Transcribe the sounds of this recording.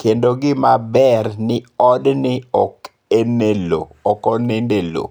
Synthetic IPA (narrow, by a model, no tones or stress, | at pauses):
kʰendoɡɪmabɛrnɪɔdnɪɔk | enelo̰ɔkɔnendelo̰